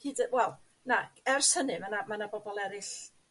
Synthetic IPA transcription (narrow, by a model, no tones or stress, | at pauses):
hiːdwɛlˠ | naɛrshənɨmanamanabɔbɔlˠɛɾɨɬ